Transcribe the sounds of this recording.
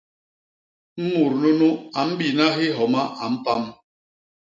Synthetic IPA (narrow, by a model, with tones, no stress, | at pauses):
m̩˦mu˨ɾnu˦nu˦a˨m̩˦bi˨na˦ɦi˦ɦɔ˨ma˦ʔa˨m̩˦pa˦m˦